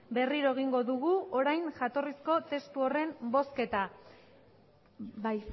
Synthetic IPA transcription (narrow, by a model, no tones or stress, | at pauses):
be̞riɾo̞e̞ɣ̞iŋɡo̞ðuɣuʔo̞ɾajnʝat̪o̞risko̞t̪e̞st̪uore̞mbo̞ske̞t̪a | baj